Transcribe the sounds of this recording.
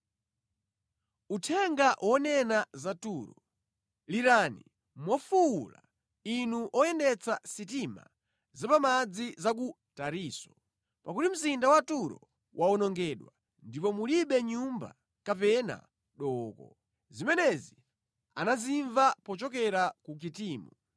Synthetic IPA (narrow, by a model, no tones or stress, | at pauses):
utʰɛŋɡawʔɔnɛnazatuːɾɔ | liɾaːnḭ | mwɔfuula̰ | inuʔɔjɛndɛt͡sasitima̰ | zapamad͡zizak̬u | taɾiːsɔ̥ | pak̬utim̩zindawatuɾɔ̰ | wʔaɔnɔŋɡɛːɗwa | ndipɔmuliɓɛɲumba̰ | kapɛna̰ | ɗɔːkɔ̰ | zimɛnɛzi | a̰naziɱvapɔt͡ʃɔk̬ɛɾakuk̬itiːmu